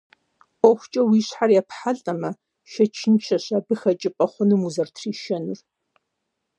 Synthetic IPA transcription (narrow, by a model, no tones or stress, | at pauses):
ɔxʷʊt͡ʃʼɐwiːɕħarjɛpħaɮʼɐmɐ | ʃɐt͡ʃʰɪnt͡ʃʰɐɕabɨxɐt͡ʃʼɪpʼɐχʷʊnɨmuzɐrtʰriːʃɐnur